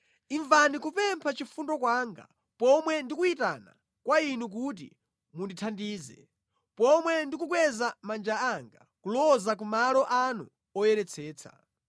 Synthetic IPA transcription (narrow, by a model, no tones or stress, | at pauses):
iɱvanikupɛmpʰat͡ʃifundɔkwaːŋɡa̰ | pɔmwɛndikuitana̰ | kwainuk̬ut̬ḭ | munditʰandiːzɛ̰ | pɔmwɛndik̬uk̬wɛzamand͡ʒaaŋɡa̰ | kulɔzak̬umalɔʔanṵ | ɔjɛɾɛt͡sʰɛːt͡sʰḁ̰